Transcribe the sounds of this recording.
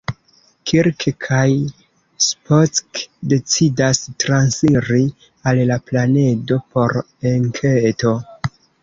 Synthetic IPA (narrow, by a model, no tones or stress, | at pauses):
kʰiɾkkʰaj | spot͡skde̞t͡sidastɾansiɾi | allaplane̞do̞po̞ɾ | eŋkʰeto̞